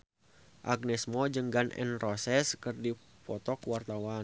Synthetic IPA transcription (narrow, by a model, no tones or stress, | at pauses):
ʔaɡ̚nɛsmɔd͡ʒəŋɡanɛ̰nrɔsɛskərdi | pɔt̪ɔkwart̪awa